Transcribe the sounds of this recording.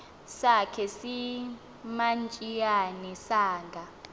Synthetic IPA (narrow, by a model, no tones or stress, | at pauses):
sakʰɛsi | mant͡ʃʼijanisaːŋɡʱa